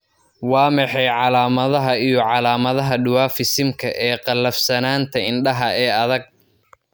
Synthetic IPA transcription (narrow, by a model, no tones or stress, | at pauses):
wɑːmɛħɛjʕɑlaːmɐðɐɦɐijɔʕɑlaːmɐðɐɦɐɖʊwaːfɪsɪmkʰɐʔɛːqɑlːɐfsɐnaːnt̪ʰɐɪnɖɐɦɐɛːɐðɐɡ̚